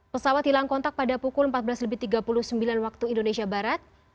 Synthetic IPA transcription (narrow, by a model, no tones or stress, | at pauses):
pəsawat̪̚dilaŋkɔnt̪ak̚padapukʊləmpat̪̚bəlasləbɪht̪iɡapuluhsəmbilanwak̚t̪uindonesiabaɾat̪̚